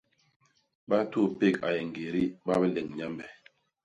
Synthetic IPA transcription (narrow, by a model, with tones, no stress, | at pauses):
ɓa˦tu˦˨pe˦˨ka˨je˨ŋ˨ɡe˨ɾi˦ɓa˦bɛ˦le˨ŋɲa˦mbɛ˨